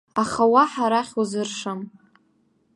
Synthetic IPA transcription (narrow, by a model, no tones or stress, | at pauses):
aχawaħaɾaχʲuzɨrʂam